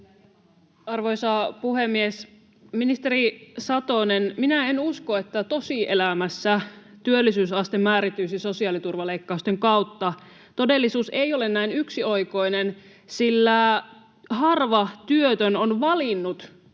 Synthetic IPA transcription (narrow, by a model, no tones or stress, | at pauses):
ɑrʋoisɑpuhemːies | minist̪eɾisɑt̪onenminæenuskoet̪ːæt̪osiʔelæmæsːæ | t̪yølːisyːsɑst̪emːæːɾit̪ːˑyːsisosiɑːlit̪urʋɑleikːɑust̪eŋkɑut̪ːɑ | t̪odelːisuːseiolennæinyksioiko̞inen | silːæ | hɑrʋɑt̪yøt̪ønonʋɑlinːut̪